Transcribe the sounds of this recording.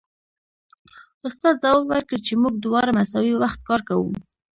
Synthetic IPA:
ʊst̪ɑt̪zawwaɾkəɽt͡ʃemuɡ̚d̪ʊwɑɾamasɑwiwaxt̪̚kɑɾkawṵ

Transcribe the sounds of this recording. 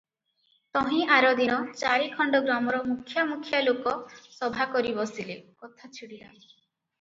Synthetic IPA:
t̪ɔɦĩaɾɔd̪inɔt͡ʃaɾikʰɔɳɖɔɡɾamɔɾɔmukʰjɔmukʰjalokɔsɔbʱakɔɾibɔsilekɔt̪ʰat͡ʃʰiɽila̰

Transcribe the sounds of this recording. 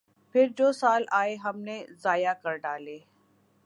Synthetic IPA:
pʰɪɾd͡ʒoːsaːlaːeɦɐmnezaːjakɐɾɖaːleː

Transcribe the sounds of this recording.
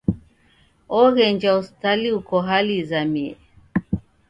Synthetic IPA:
ɔɣɛɲd͡ʒaustaliukɔɦalizamiɛ

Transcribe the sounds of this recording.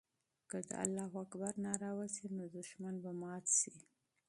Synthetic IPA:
kəd̪ə̰a̰lːɑɦwakbaɾnɑɾɑwazenod̪ʊʃmanbamɑt̪si

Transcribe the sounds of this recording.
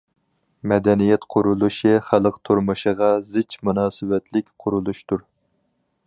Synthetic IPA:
mɛd̪ɛnijɛt̪qʰʊɾulˠuʃiχælˠəqt̪ʰuɾmɨʃəʁɑzɪt͡ʃmunɑːsɨwɛt̪ʰlɪkʲqʰʊɾulˠuʃt̪uɾ

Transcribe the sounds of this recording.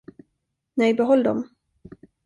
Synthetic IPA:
nɛjbɛɦɔlːd̪ɔ̰m

